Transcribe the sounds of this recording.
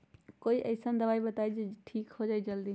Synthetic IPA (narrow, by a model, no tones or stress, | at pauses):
koːiʔɐ̰ɪsənd̪ɐʋaːibɐt̪aːid͡ʒeʈʰiːkhod͡ʒaːid͡ʒɐld̪i